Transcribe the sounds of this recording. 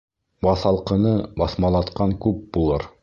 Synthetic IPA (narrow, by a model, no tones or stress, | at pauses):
bɑθɑlˠqɤ̆nɤbɑθmɑlˠɑt̪qɑŋkʉp̚b̥ulˠɤɾ